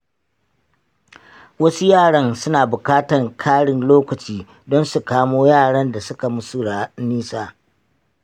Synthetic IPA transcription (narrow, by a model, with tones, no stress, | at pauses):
wɐ˦su˦jaː˦˨ɽɐ˦nsʊ˦naː˨bʊ˨kaː˦tɐ˨ŋkʰaː˦ɽɪ˨nloː˦kɐ˨t͡ʃiː˦˨ | dɔ˦nsu˨kaː˦moː˦jaː˦˨ɽɐ˦nda˨sʊ˦ka˨mʊ˦su˦˨ɽaː˨niː˦saː˦